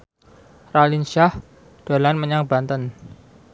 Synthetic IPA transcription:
ralinʃah | d̥a̤lanməɲaŋbant̪ən

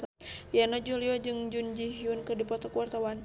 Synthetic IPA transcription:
janɔd͡ʒuliɔd͡ʒɨŋd͡ʒund͡ʒiɦiunkɨrdipɔt̪ɔkuwart̪awan

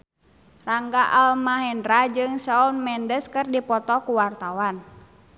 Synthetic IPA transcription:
raŋɡaʔalmaɦɛndɾad͡ʒɨŋsaunmɛndəskɨrdipɔt̪ɔkuwart̪awan

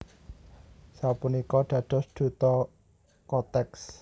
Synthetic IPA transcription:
sapunikɔɖ̪̥ä̤d̪̥ɔ̤sd̪̥ṳt̪ɔ | kɔt̪ɛks

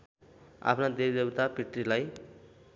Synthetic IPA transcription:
a̰pʰnad̪ebd̪ebt̪apiʈrilaj

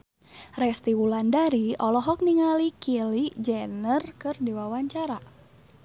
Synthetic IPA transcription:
rɛst̪iwulandaɾiɔlɔɦɔk̚niŋalikilid͡ʒɛnərkɨrdiwawaɲt͡ʃaɾa

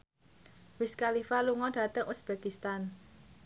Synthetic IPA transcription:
wɪskalifaluŋɔɖ̥a̤t̪əŋʔusb̥ekist̪an

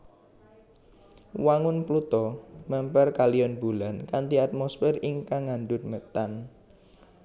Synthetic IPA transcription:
waŋʊnplut̪ɔmɛmpɛrkalijɔnbulankant̪iat̪̚mɔsfɛrɪŋkaŋaɳɖʊt̪̚mət̪an

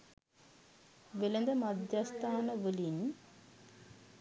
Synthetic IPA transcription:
ʋelənd̪əmad̪jast̪ʰaːnəʋəlin

